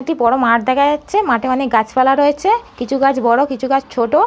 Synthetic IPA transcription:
k̚ʈipɔɽomaʈd̪ɛkʰad͡ʑatːɕʰemaʈeɔnek̚ɡat͡ɕpalaɾoet͡ɕʰekit͡ɕʰuɡad͡ʑʰbɔɽokit͡ɕʰuɡat͡ɕt͡ɕʰoʈo

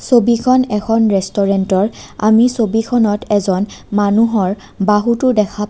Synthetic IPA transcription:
sobikʰɔnɛkʰɔnɹɛstɔɹentɔɹa̰misobikʰɔnɔtɛzɔnmanuɦɔɹ | baɦutʊdɛkʰa

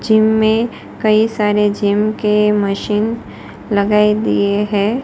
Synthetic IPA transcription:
d͡ʒiːmːẽ | kɐisaːɾed͡ʒimkeməʃiːn | lɐɡaːid̪ḭeɦɛ̃ː

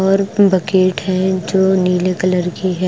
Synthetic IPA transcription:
ɔːɾbɐkeːʈɦɛ̃d͡ʒoːniːlekɐləɾkiɦɛ

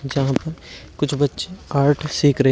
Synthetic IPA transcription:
d͡ʒɐɦãpɐɾkʊt͡ʃʰbɐtːʃeaːɾʈʰsiːkɾɐɦ

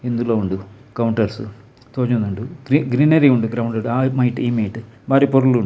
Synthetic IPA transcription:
end̪ulːɐːuɳɖu | kɐwɳʈɐrsɨ̰ | t̪oːɲːɐnːuɳɖuɡɾiɡɾinɐɾiuɳɖɨɡɾɐwɳɖɐɽamɐjʈːɨiːmɐjʈːɨbʱaːɾijɐpoɾuluɳɖ

